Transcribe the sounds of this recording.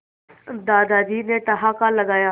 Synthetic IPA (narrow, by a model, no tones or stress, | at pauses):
d̪aːd̪aːd̪iːneʈɐɦaːkalɐɡaːjaː